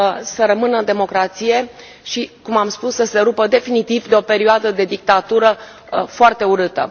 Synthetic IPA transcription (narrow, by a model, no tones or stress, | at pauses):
səɾəmɨnəɨnd̪e̞mo̞kɾat̪sije̞ | ʃikumamspusːəse̞ɾupəd̪e̞finit̪ivd̪eo̞pe̞ɾioad̪əd̪e̞d̪ik̚t̪at̪uɾə | foart̪e̞uɾɨt̪ə̰